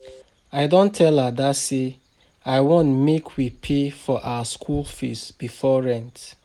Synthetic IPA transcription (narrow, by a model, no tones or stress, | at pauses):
aɪdõntʰɛladase | aɪwõntmekʰwipʰefɔʔawəskʰulˠfḭsb̥ifɔɹɛ̃nt